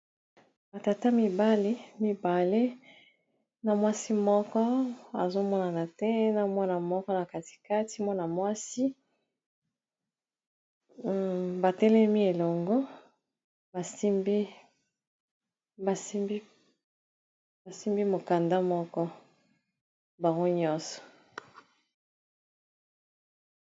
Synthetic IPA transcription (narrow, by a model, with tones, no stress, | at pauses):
ba˨ta˨ta˦mi˨ba˦le˦mi˨ba˨le˦ | na˨mwa˦si˦mɔ˦kɔ˦a˨zo˦mɔ˦na˨na˨tɛ˦na˨mwa˦na˨mɔ˦kɔ˦na˨ka˨ti̥˨ka˦ti˦mwa˦na˨mwa˦si˦ | ba˨tɛ˦lɛ˦mi˦e˨lɔ˨ŋɡɔ˦ | ba˨si˦mbi˦ | ba˨si˦mbi˦ | ba˨si˦mbi˦mo˨ka˨nda˦mɔ˦kɔ˦ | ba˨ŋɡo˦ɲɔ˦sɔ̥˨